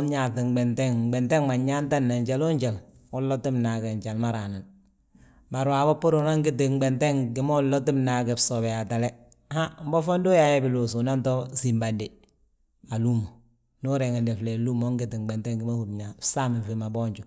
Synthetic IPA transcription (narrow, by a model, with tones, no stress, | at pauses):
nɲa˨tɪ˨ŋɡ͡bɛ˨nte˦ŋɡ͡bɛ˨nte˦ŋma˨ɲa˦nta˦nːa˨ɲt͡ʃe˦lo˦ɲt͡ʃa˨lu˦lːo˦ti˦mna˨ke˨ɲt͡ʃa˨lma˦ɾa˨na˨n | ba˨ɾwaː˨bo˦pʊ˦ɾu˨na˦ŋɡɪ˦ti˨ŋɡ͡be˨nte˦ŋkɪ˦mo˦lːo˦ti˦mna˨kɛ˨fso˨bɛ˨ja˨ta˨le˦ | ha˦m̩˦bɔ˦fo˦ndo˦ja˦jɛ˦bɪ˨lo˨su˨na˦nto˦si˨mba˨nde˨ | a˨lu˦mo˨ | nu˦ɾe˨ŋe˨nde˨fle˨lu˦mo˦ŋɡɪ˦tɪ˨ŋɡ͡bɛ˨nte˦ŋɡɪ˦ma˦hu˨tɲa˨sa˦mi˨fe˨ma˨bɔ˦ɲt͡ʃu˨